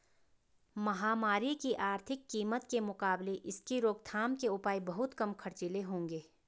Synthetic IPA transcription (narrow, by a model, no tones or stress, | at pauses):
mɐɦaːmaːɾikiʔaːɾt̪ʰɪkːiːmət̪kemʊkaːbleʔɪskiɾoːɡ̚t̪ʰaːmkeʊpaːibɐɦʊt̪kɐmkʰɐɾt͡ʃɪleɦõːŋɡeː